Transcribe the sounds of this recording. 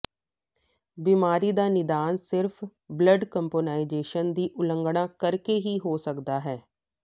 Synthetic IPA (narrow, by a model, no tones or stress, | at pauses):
biːmaːɾiːd̪aːnɪd̪aːnsɪɾpʰbləɖkəmpoːnaːɪzeːʃənd̪iːʔʊlə̃ŋɡɽ̃ãːkəɾkeːɦiːɦoːsəkd̪aːɦɛː